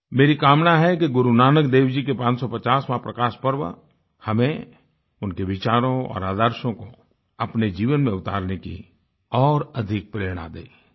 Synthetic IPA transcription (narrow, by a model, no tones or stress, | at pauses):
meːɾikaːmnaɦɛkeɡʊɾunaːnəkd̪eːwd͡ʒikepãːt͡ʃsɔpɐt͡ʃaːsmãpɾəkaːʃpəɾʋə̰ | hɐmẽ | ʊnkeʋɪt͡ʃaːɾõɔ̰ːɾaːd̪əɾʃõko | ɐpned͡ʒiːʋənmẽʊt̪a̰ːɾnekḭ | ɔːɾɐd̪ʱɪk̚pɾeːɽ̃a̰d̪ḛː